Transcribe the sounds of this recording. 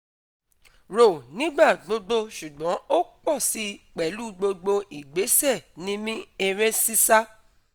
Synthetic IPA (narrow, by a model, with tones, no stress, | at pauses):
ɾo˨nĩ˦ɡ͡ba˦˨ɡ͡bo˧ɡ͡bo˧ʃu˨ɡ͡bɔ̃˨˦o˦k͡pɔ˦˨si˨˦k͡pɛ˨lu˦ɡ͡bo˧ɡ͡bo˧ʔi˨ɡ͡be˨˦sɛ˦˨nĩ˦mĩ˦ɛ˧ɾ̃ɛ̃˦si˦sa˦